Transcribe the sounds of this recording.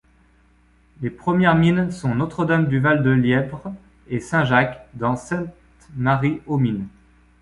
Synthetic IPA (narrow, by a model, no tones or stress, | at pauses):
lepχəmjɛʁminsɔ̃not̪χəd̪amd̪yvald̪əljɛvʁ | esɛ̃ʒakd̪ɑ̃sɛ̃t̪ | maʁiomin